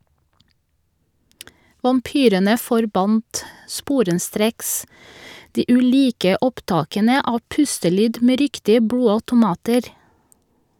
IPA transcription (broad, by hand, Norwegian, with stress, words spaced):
ʋɑmˈpyːɾənə fɔɾˈbɑnt ˈspuːɾəˌstɾeːks ˈdiː ʔʉˈliːkə ˈɔpˌtɑːkənə ˈɑː ˈpʉstəˌlyːd ˈmeː ˈɾɪktɪə ˈbɽuːɑtʊˌmɑːtəɾ